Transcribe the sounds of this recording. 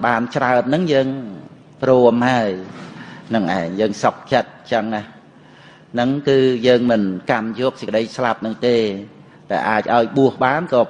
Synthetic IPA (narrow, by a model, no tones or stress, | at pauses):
ɓaːnt͡ɕraət̪̚nɨŋjəːŋ | pruəmhaəj | nɨŋʔa̰ɛŋjəːŋsɑp̚t͡ɕət̪̚t͡ɕəŋah | nɨŋkɨːjəːŋmɨnkamjɔːk̚sə̆kə̆ɗəjslap̚nɨŋt̪eː | ɗaɛlʔaːc̚ʔaɔjɓuəhɓaːnkɑː